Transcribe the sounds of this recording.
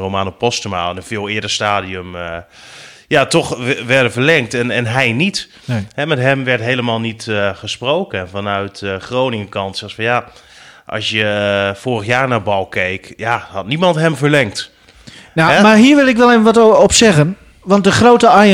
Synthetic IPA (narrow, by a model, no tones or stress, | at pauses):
romaːnopɔstəmaːlnɛnv̥ɪːlˠɪːdəstaːdiəm | jatɔχʋɛɹdəvəɹlɛŋktɛnɛnɦɛjnit | ɦɛmɛtɦɛmʋɛɹtɦejləmaːlˠnitχəsprowkənvɑnœɥtəχrownɪŋəkɑntsɛxsfɑnja | ʔɑ̰lsjəfoːrəxjaːɹnaːbɑlˠkejkjahɑtnimɑntɦɛmvəɹlɛŋkt | namaɦiːɹʋɪlˠɪkʋɛlˠevənʋɔtɔpsɛɣən | ʋɑntdəχrowtəaj